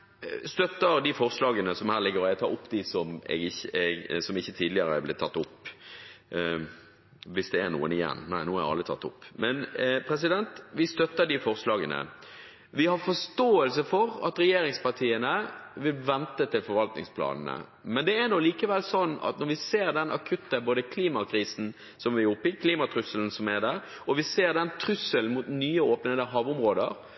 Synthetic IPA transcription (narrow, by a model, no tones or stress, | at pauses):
st̪œt̪ːəɾd̪ɪfɔʁslɑːɡənəsɔmhæːɾlɪɡːəɾɛt̪ʰɑ̰ːʔʊpːd̪ɪsɔmɛ̰ɡɪçəɛɡsɔmɪçːət̪ʰiːd̪lɪəɾəɛblɪt̪ʰːɑt̪ːʊpː | ʋɪsd̪ɛɛnṵːənɪjɛ̰nːnæɪnuːhɑɾjɑ̰lɾət̪ʰɑ̰t̪ːʊ̰pːmɛnpʰɾɛs̬ɪd̪ɛnt̪ʋɪst̪œt̪ːəɖɪfɔʁslɑːɡənə̰ | ʋɪhɑɾfɔʂt̪oːəlsəfɔɾɑ̰t̪ɾɛjeːɾɪŋspɑʁt̪ʰiːənəʋɪlʋɛnt̪ət̪ʰɪlfɔɾʋɑlt̪nɪ̰ŋspʰlɑ̰ːnn̩ə̰ | mɛnd̪ɛːnɔliːkəʋɛlsɔnːɑ̰t̪nɔɾʋɪseːɾd̪ɛnʔɑ̰kʰʉt̪ːəboːd̪əkʰliːmɑkʰɾiːsn̩ | sɔmʋɪʊpːɪkʰliːmɑt̪ʰɾʉsəln̩sɔmæd̪æɾ | ɔʋɪseːɾd̪ɛnt̪ʰɾʉsəlmut̪nyːəoːpnənəɦɑːʋʊmɾoːd̪əɾ